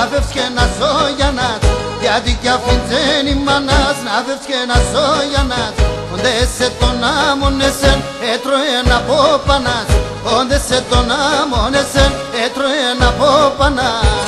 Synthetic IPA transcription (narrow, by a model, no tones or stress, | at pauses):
pefskenasoʝanasjat̪ikafint͡senimːanasnafefskenazojanasond̪eset̪onamonːesen | et̪ɾoenapopanas | ond̪eset̪onamonesen | et̪ɾonapopana